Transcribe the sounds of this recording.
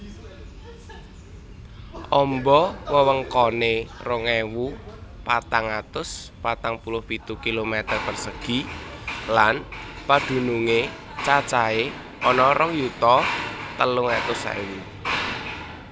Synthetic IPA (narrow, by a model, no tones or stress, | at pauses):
ʔɔmbɔwəwəŋkɔnerɔŋewupat̪aŋat̪ʊspat̪aŋpulʊhpit̪ukilomɛt̪ərpərsəɡ̥i̤ | lan | pad̪̥ṳnuŋe | t͡ʃat͡ʃae | ʔɔnɔɾɔŋjut̪ɔt̪əlʊŋet̪ʊsḛwu